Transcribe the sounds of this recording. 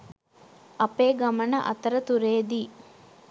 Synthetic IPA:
ɐpeːɡɐmɐnɐʔɐ̰t̪ɐɾət̪uɾeːd̪iː

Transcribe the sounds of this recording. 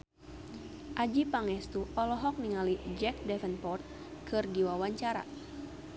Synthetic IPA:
ʔad͡ʒipaŋɛst̪uʔɔlɔɦɔk̚niŋalid͡ʒɛk̚dɛfənpɔrt̪̚ | kʰɨrdiwawaɲt͡ʃaɾa̰

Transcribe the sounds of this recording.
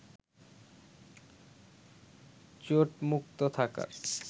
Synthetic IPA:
t͡ɕoʈmuk̚t̪ot̪ʰaka̰ɾ

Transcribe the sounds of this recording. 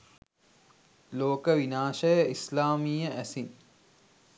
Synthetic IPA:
loːkəʋinaːʃəjəislaːmiːjəʔæsin

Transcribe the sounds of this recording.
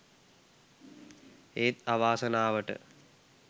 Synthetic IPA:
eːt̪aʋaːsənaːʋəʈə̰

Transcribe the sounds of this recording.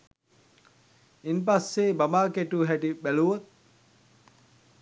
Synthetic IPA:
impasːeːbɐmaːkeʈuɦɛʈibæluʋot̪̚

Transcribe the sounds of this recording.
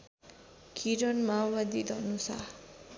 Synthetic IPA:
kʰiɾʌnmawbad̪id̪ʱʌnusa

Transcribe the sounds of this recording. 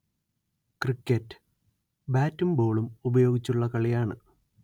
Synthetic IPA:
krikʲːɐtːɨ̥ | baːtːumbo̞ːɭumubɐjo̞ːɡit͡ɕːuɭːɐkɐɭijaːɳɨ

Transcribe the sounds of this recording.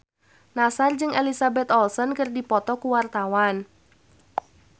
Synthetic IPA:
nasard͡ʒɨŋɛlisabɛt̪ɔlsɔnkɨrdipɔt̪ɔkuwart̪awan

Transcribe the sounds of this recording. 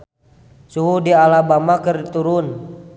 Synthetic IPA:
suɦudialabamakərt̪uɾun

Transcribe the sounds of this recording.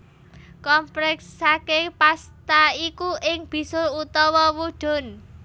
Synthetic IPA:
kɔmplɛksakepast̪aikuʔɪŋb̥i̤sʊlut̪ɔwɔwuɖ̥ʊ̤n

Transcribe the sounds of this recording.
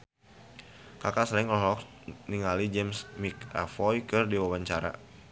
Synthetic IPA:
kakaslɛŋlɔɦlɔk | niŋalid͡ʒɛmsmika̰fɔjkɨrdiwawaɲt͡ʃaɾa̰

